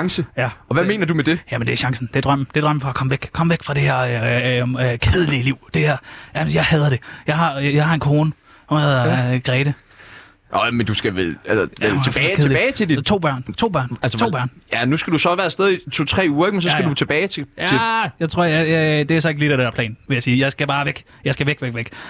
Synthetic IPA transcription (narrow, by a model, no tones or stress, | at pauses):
ŋsəjæɒʋæme̝̰ːnɐdumed̥e̝jæmend̥eæɐɕɑ̈ŋsn̩d̥e̝d̥ʁɶm̰d̥e̝d̥ʁɶm̰əfɒ̽kʰɒ̽məʋeɡ̥kʰɒ̽məʋeɡ̥fʁɑ̈d̥e̝heɐ̰ | kʰeð̞ˠəliəliʊ̰d̥e̝æɐjænjɑ̈ɪhɛð̞ˠɐɾ̥e̝jɑ̈ɪɦɑ̈jɑ̈ɪhɑ̈e̝nkʰoːnə | uneðˠɐɡ̥ʁɛːɾ̥ə | ʔmend̥usɡ̥æʋelælsəelt͡sʰeb̥ɛkeðebɛːɪt͡sʰedist͡sʰo̝̰ːb̥ɶɐ̰nt͡sʰo̝̰ːb̥ɶɐ̰nælsət͡sʰo̰ːbɶɐ̰njænusɡ̥æd̥usɒʋæːɐsd̥eð̞ˠit͡sʰo̝t͡sʰʁɛ̰ːuːɐeɡ̥mensɒsɡædut͡sʰe̝b̥ɛːɪt͡sʰejæejɑɪt͡sʰʁo̝ɐ̰jajd̥e̝æɐsɒ̽e̝ɡ̥lidædeɐpʰlɛ̰ːnʋe̝jæsiːjɑ̈ɪsɡ̥æb̥ɑ̈ːʋeɡ̥ | jɑɪsɡ̥æʋeɡ̥ʋeɡ̥ʋeɡ̥